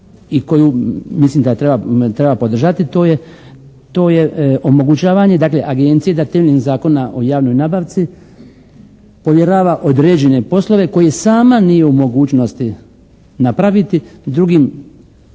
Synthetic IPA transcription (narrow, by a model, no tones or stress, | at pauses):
iko̞jumislimd̪aet̪ɾe̞bat̪ɾebapo̞d̪rʒat̪it̪o̞ːje | t̪o̞je̞ʔo̞mo̞ɡut͡ɕaːʋaɲe̞d̪aːkle̞ʔaɡe̞nt̪sijed̪at̪emeʎʲiŋzaːko̞naʔo̞̰jaːʋno̞jnaːbaʋt̪si | po̞ʋje̞ɾaːʋaʔod̪ɾed͡ʑe̞ne̞po̞slˠo̞ʋe̞ko̞jesaːmanije̞umo̞ɡuːt͡ʃno̞st̪i | napɾaʋit̪id̪ɾuɡim